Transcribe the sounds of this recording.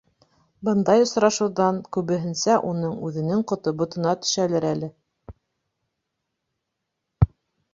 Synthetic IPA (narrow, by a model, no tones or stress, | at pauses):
bɤnd̪ɑjŏsɾɑʃɤ̆wðɑnkʉβɘ̆ɦɘ̆nsæʔunɤɴʉðɘ̆nɘŋqŏt̪obŏt̪ɤ̆nɑt̪ɵ̥̆ʃælɘɾælɘ